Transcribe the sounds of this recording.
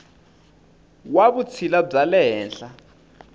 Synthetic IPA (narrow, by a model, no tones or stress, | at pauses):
waβut͡sʰilab͡ʐalɛɦɛːnɬa